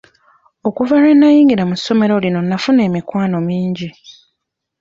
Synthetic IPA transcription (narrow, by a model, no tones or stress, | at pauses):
o̞kuvaɾenːajiːŋɡiɾamusːo̞me̞ɾo̞lino̞nːafune̞ːmikwaːno̞miːɲɟi